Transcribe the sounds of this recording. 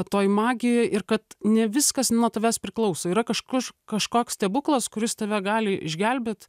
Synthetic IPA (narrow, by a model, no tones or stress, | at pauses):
t̪oːjmɑːɡʲɪjɛʔɪrkɐt̪nʲɛʋʲɪskɐsnuɔt̪ɐʋʲæːspʲɾʲɪklˠɐʊsoːiːɾɐkɐʃkʊrkɐʃkoːkst̪ʲɛːbʊklˠɐskʊɾʲɪst̪ɐʋʲɛɡɑːlʲɪʔɪ̰ʒʲɡʲɛlʲbʲet̪